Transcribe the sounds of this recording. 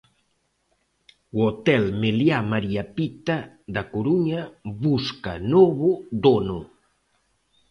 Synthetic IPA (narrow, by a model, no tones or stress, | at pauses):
wot̪ɛlmeljamaɾiapit̪a | ðakoɾuɲaβuska̰noβud̪onu